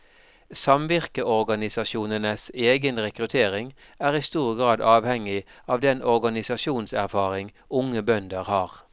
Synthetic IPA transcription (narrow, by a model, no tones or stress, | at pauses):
sɑmʋɪʁkəʔɔʁɡɑnɪsɑʃuːnənəseːɡənʁɛkʁʉt̪ʰeːʁɪŋ | æːʁiːst̪uːʁɡʁɑːd̪ɑːʋhɛŋɪɑːʋd̪ɛnɔʁɡɑnɪsɑʃuːnsæ̰ʁfɑːʁɪŋ | ʊŋəbœnd̪əʁhɑːʁ